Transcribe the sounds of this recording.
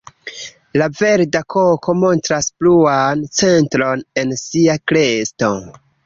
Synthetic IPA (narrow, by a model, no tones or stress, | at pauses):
lave̞ɾdakʰokʰo̞mo̞ntɾaspluant͡se̞ntɾo̞ne̞nsiakɾe̞sto̞